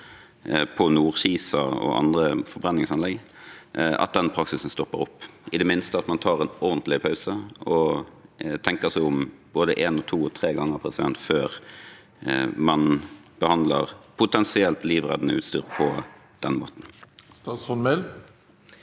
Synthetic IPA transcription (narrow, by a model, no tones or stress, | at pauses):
pʰɔnuːʁɕiːsɑɔ̰ʔɑ̰nd̪ʁəfɔɾbʁɛnːɪŋsɑnlɛɡ | ɑ̰t̪̚d̪ɛnpʰʁɑksɪsn̩st̪ɔpːəʁʊpːʔɪd̪ɛmɪnst̪əɑt̪mɑnt̪ʰɑːʁɛnɔʁnt̪lɪpʰɑʉsəɔ | t̪ʰɛŋkəʁsæɪʊmboːd̪əʔeːnɔt̪ʰuːɔt̪ʰʁeːɡɑŋːəʁpʰʁɛsɪd̪ɛnt̪føːʁ | mɑnb̥əhɑnd̪ləʁpʰʊt̪ʰɛnsɪɛlt̪liːʋʁɛ̰d̪ənəʉ̰ːt̪st̪yːʁpʰɔ | d̪̥ɛnmo̰ːt̪n̩st̪ɑsɔnmɛl